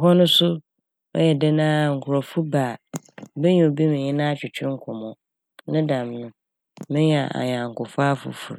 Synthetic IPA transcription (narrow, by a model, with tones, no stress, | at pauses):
ɔ˨ɦɔ˦nʊ̃˦sʊ˦ | ɔ̰˦jɛ˨dɛ˦nãː˦˨ŋ̩˨kʰʊ˨ɾɔ˨fu˦baː˨bɛ˦ɲĩ˨o˨bi˦mɪ̃˨ɲɪ̃˦nã˦t͡ɕʰᶣɪ˨t͡ɕʰᶣɪ̃˦ŋ̩˦kʰɔ̃˨mɔ̃˨ | nɪ̃˦dã˨mnʊ̃˦ | mɪ̃˦a˨ʔa̰˨ɲ˨ã˨ŋ̩˨kʊ˨fʊ˦a˦fʊ̰˨fṵ˨ɾ